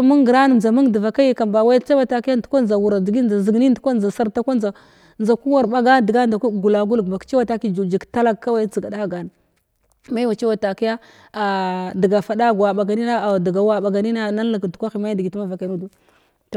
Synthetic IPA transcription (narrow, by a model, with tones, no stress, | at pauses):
mu˦ŋɡɾa˦n˨za˨mu˦ŋda˨va˨ka˦ji˦ka˨mba˨wa˦t͡ʃa˦wa˨ta˨ki˦ja˦n˦tkʷa˦nza˨wu˨ɾa˨di˨ɡi˦n˨a˨zi˨ɡni˦n˦tu˦kʷa˦nza˨sa˦ɾta˦kʷa˦nza˨ | nd͡za˨ku˦wa˦ɾɓa˦ɡa˦di˨ɡa˦nda˨kʷu˦˨ɡu˨la˨ɡu˦lɡba˨kt͡ʃi˦wa˨ta˦ki˦d͡ʒd͡ʒi˨ɡta˦la˦ɡka˦wa˦t͡si˨ɡa˨da˦˨ɡa˨n˨ | ma˦wa˨t͡ʃi˦wa˨ta˨ki˦ja˦ | a˨di˨ɡa˨fa˨da˦ɡa˨ɓa˨ɡa˨ni˦na˦˨di˨ɡa˨wa˦ɓa˨ɡa˨ni˦na˦na˦n˦la˨ɡtu̥˨kʷa˦xi˨ma˦di˨ɡi˨tu˦ma˦va˨ka˨nu˦du˦˨